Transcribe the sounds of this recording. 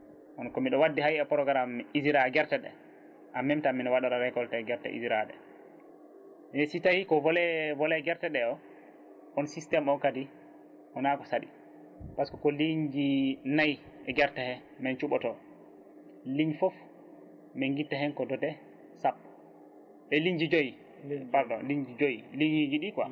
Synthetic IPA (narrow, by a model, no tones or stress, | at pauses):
ʔɔnkɔmiɗɔwadːiɦajɛpɔɾɔɡaɾamːiiziɾaɡɛɾtɛɗɛ̰ | ʔamːɛmtamːinɔwaɗaɾaɾɛkɔltɛɡɛɾtɛ̰ʔḭziɾaɗɛ̰ | minɛsitahikɔvɔlɛvɔlɛɡɛɾtɛɗɛɔ | ʔɔnsistɛmɔkadi | ʔɔnakɔsaɗḭ | paskɔkɔliɲd͡ʒinaj | ʔɛɡɛɾtɛhɛ | mɛnt͡ʃuɓɔtɔ | liɲfɔf | mɛŋɡitːahɛnkɔdɔdɛ | sapː | ɛliɲd͡ʒid͡ʒoji | paɾdɔliɲd͡ʒid͡ʒojiliid͡ʒiɗikwa̰